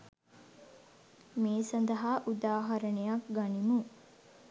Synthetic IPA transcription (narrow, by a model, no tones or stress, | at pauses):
meːsɐnd̪ɐɦaːʔud̪aːɦɐɾɐnejɐkɡanimu